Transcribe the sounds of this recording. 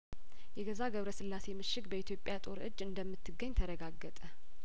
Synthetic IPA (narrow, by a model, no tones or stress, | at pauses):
jɛɡəzaɡəβɾəsɨlːase̞mɨʃːɪɡ̚bəit̪ʰjo̞pʼjat̪ʼo̞ɾɨ̰d͡ʒːɨnd̪əmːɨt̪ːɨɡːəɲːt̪ʰəɾəɡaɡːət̪ʼə